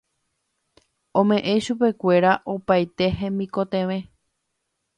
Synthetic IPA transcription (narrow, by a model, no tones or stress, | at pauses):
õ̞mẽ̞ʔẽ̞ʃupe̞kʷe̞ɾaʔopajt̪e̞ɦẽ̞mbĩko̞t̪ẽʋẽ̞